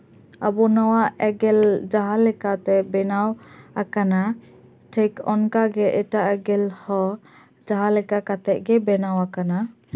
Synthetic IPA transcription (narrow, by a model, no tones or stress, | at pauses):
abɔnawaʔɛɡɛld͡ʒaɦalɛkat̪ɛbɛnawakana | ʈʰɛkɔnkaɡɛʔɛʈaʔɛɡɛlhɔ | d͡ʒaɦalɛkakat̪ɛʔ̚ɡɛbɛnawakana